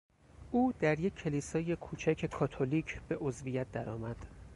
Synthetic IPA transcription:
ʔuːd̪̥æɾjecʰːe̞lisɒːjekʰuːt͡ʃʰæcʰe̞kʰɒːt̪ʰoliːcʰb̥e̞ʔo̞zvijæt̪̚d̪æɾɒːmæd̪̥

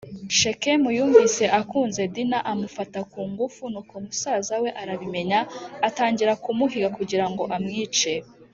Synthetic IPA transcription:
ʃekemujuːɱvise̞ʔakuːnze̞dinaʔamufatakuːŋɡufunukomusaːzawe̞ʔaɾaβime̞ɲaːtaːɲɟiɾakumuɦiɡakuɟiɾaŋɡo̞ʔamŋiːt͡ʃe

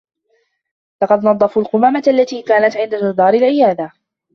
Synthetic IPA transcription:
lɑqɑd̪nɑd̪ˤːɑfuːlqʊmaːmat̪ʔalːat̪iːkaːnat̪ʕɪnd̪ad͡ʒʊd̪ɑːɾɪlʕɪjaːd̪a

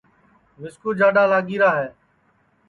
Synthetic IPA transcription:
mɪskuːd͡ʒaːɖaːlaːɡiːɾaːɦɛː

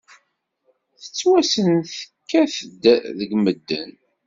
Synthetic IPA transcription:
θə̥t͡sːwæsənθə̥kːæθd̪ðəɡməd̪ːə̰n

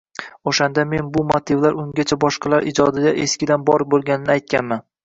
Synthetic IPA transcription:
oʃand̪ame̞nbʊmot̪ʰɪvlaɾʊŋɡʲat͡ʃʰabɒʃqɑlaɾɪ̰d͡ʒɒd̪ɪd̪aʔe̞skʲɪd̪anbɒɾbolˠɡʲanɪnɪajt̪̚kʲanman

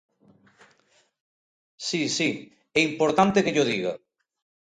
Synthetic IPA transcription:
sisi | ɛimpoɾt̪ant̪ekeʎoðiɣa

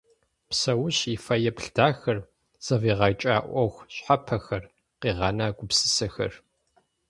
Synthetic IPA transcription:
psɐwʊɕifɐjɛpɬdaːxɐr | z̥ɐviːʁɑt͡ʃʼa̰ːʔʷɔxʷɕħapʰɐxɐr | qiːʁɑːnaːɡʷʊpsɨ̥sɐxɐ̰r

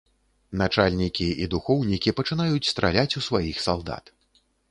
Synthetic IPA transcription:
nat͡ʂalʲnʲikʲiid̪uxɔwnʲikʲipɐt͡ʂɨnajut͡sʲst̪ɾa̰lʲat͡sʲusvajixsalˠd̪a̰t̪

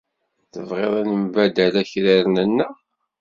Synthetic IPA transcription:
θəvʁeðˤænəmbæd̪ælæçɾiɾnənːæ

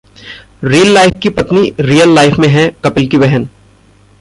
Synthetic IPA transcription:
ɾiːəlːaːɪfkipɐt̪niɾiːəlːaːɪfʰmẽɦɛ̃kɐpɪlkibɛɦən

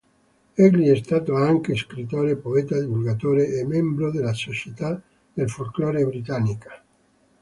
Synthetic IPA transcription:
ɛɡliɛst̪aːt̪oaŋkeskɾit̪oːɾepoɛt̪ad̪ivulɡat̪oːɾeʔemːɛmbɾod̪elasot͡ʃet̪a | d̪̥elfolkloːɾebɾit̪anːikḁ

